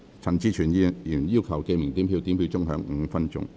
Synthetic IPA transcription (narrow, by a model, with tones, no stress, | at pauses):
t͡sʰɐ˨˩nt͡siː˨˥t͡ʃʰyː˨˩n˧˥ji˨˩njiː˥wkʰɐ˨˩wke˧jmɪ˨˩ŋt̪i˨˥mpʰiː˧wt̪iː˨˥mpʰi˧wt͡sʊ˥ŋɦœː˨˧˥ŋ̩˨˧fɐ˥nt͡sʊ̰˥ŋ